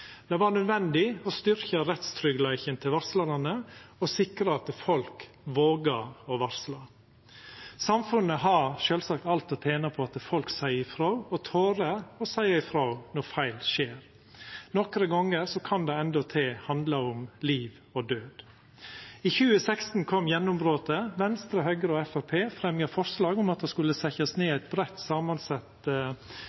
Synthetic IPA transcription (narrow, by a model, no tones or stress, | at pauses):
d̪̥ɛʋɑɾnœd̪ʋɛnd̪ɪɔst̪ʏɾçəɾɛt̪st̪ʰɾʏɡlæɪçənt̪ʰɪlʋɑɾsləɾɑnəɔsɪkɾɑɑt̪fɔlk | ʋoːɡɑɾɔʋɑɾslɑ | sɑmfʉnːəɦɑɾʃøːlsɑkt̪ɑlt̪ɔt̪ʰeːnəpʰɔɑt̪fɔlksæɪɪfɾɑʉɔt̪ʰoːɾəɔsæɪɑɪfɾɑnɔfæɪlʃeːɾ | nɔkɾəɡɑŋːəɾsɔkʰɑnd̪ɛɛnd̪ɔt̪ʰeːhɑnd̪ləʊmliːʋ | ɔd̪øːd̪̥ | içʉːəsɛkst̪n̩kʰɔmːjɛnːʊmbɾoːt̪əʋɛnst̪ɾɑɦœɡəɾəɔɛfæpʰeːfɾɛmjɑfɔɾʂlɑːɡʊmɑt̪̚d̪ɛskʉlːəsæçɑsneːæɪt̪̚bɾɛt̪ːsɑːmɑnsɑt̪